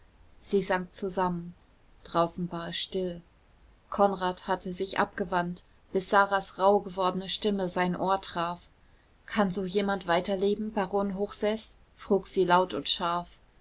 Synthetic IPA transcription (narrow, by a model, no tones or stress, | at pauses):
z̥iːzaŋ̚t͡suzamən | d̥ʁaʊsn̩vaɐʃtɪl | kʰɔnʁaːthatʰəzɪçʔa̰p̚ɡ̥əvant | b̥ɪsz̥aːʁasʁaʊɡəvɔɐdənəʃtɪməzaɪnʔoːɐtʁ̥aːf | kʰanzoːjeːmantv̥aɪtɐleːbm̩baʁoːnɦoːxz̥ɛs | fʁ̥uːkz̥iːlaʊtʊntʃaɐf